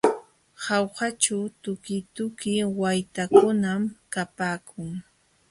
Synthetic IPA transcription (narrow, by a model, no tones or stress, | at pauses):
hɑwhat͡ʃawt̪ʊkɪt̪ʊkɪwajt̪akʊnamkapaːkʰʊŋ